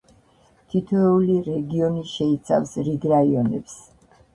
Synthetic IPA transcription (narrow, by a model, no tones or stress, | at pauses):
t̪ʰit̪ʰvɛuliɾɛɡiɔniʃɛit̪sʰa̰fsɾiɡɾaiɔnɛps